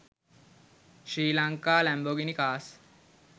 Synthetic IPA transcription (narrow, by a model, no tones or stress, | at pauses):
ʃɾiːlaŋkaːlæmboɡinikaːs